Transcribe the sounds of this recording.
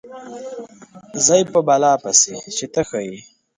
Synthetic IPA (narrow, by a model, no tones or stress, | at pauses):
zajpəbalɑːpaset͡ʃet̪əxaji